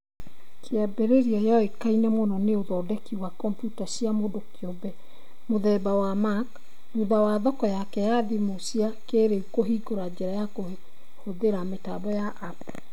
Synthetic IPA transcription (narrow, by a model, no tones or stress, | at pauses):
kʰeɛbeɾeɾiɔjɔekainɛmɔnɔneoðɔdɛkiwakɔmpjutasiamodokeɔbɛ | moðɛbawamak | ɾuðawaðɔkɔjakɛjaðimosiakeɾeukoɦiɡoɾad͡ʑɛɾajako | hoðeɾameta̰bɔjaʔap